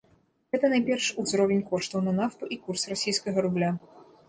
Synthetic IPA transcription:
ɣɛt̪ɐnajpʲɛrʂuzɾɔvʲenʲkɔʂt̪ɐwnɐnaft̪uʔikursrasʲijskɐɣɐɾublʲa

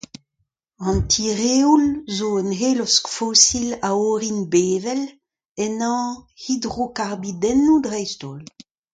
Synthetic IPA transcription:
ɑ̃ntʰiʁeːulzoənɦeːlɔskfosilaoʁinbeːvɛl | ɛnɑ̃hidʁokaʁbidɛnːudʁɛjst̪ol

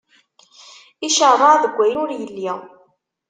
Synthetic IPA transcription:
iʃəɾrˤɑðəɡʷːæjənʊɾjəlːi

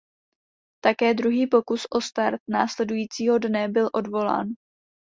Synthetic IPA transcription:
t̪akɛːdɾuɦiːpo̞kusʔo̞st̪aɾt̪̚na̰ːslɛdujiːt͡siːɦo̞dnɛbɪlʔo̞dvo̞la̰ːn

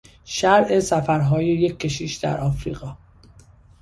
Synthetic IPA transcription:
ʃæɾe̞sæfæɾɦɒːjeje̞kʲʰːe̞ʃiːʃd̪æ̰ɾʔɒːfɾiːɣɒː

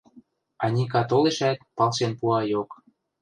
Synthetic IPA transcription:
ɑnʲik̬ɑt̪oleʃæt̪̚pɑlˠʃenpuɑjok

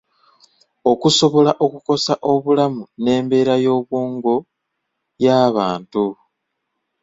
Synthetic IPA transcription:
o̞kuso̞βo̞laʔo̞kuko̞saʔo̞βulamune̞ːmbe̞ɾajo̞ːβwuːŋɡo̞ | jaːβaːntu

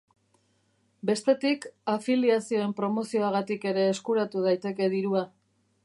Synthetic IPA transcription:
be̞st̪e̞t̪ikafiliasio̞e̞mpɾo̞mo̞sio̞aɣat̪ike̞ɾe̞ːskuɾat̪uð̞ajt̪e̞ke̞ðiɾua

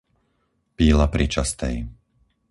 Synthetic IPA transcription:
piːlapɾʔit͡ʃast̪ɛ̰j

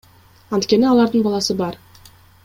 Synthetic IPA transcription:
ɑnt̪kʲe̞niɑlˠɑɾd̪ɯɴbɑlˠɑsɯbɑɾ

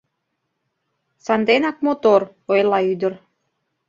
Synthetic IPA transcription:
sɑnd̪enɑk̚mot̪or | ojlˠɑyd̪ə̆r

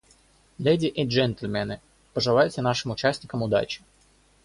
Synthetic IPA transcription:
lʲejdʲɪʔɛʐɛnt̪lʲmʲɛnɨ | pəʐɨlˠajʊt̪sʲənaʂɨmʊt͡ɕæsʲnʲɪkəmʊd̪a̰t͡ɕɪ̥

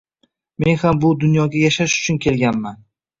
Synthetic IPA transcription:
me̞nhambʊd̪ʊnjɒɡʲajaʃaʃʊ̥t͡ʃʰʊnkʲʰe̞lɡʲanman

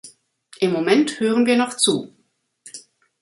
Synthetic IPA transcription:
ʔɪmːomɛnthøːʁənviːɐnɔχt͡suː

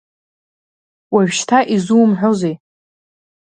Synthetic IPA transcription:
waɥᶣʃtʰaʔizuːmħʷᶣozej

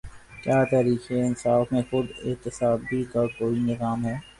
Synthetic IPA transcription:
kjaːt̪ɛːɾiːxeɪnsaːfmẽxʊd̪ɪ̰t̪ɪsaːbʱikakoːinɪzaːmɦɛː

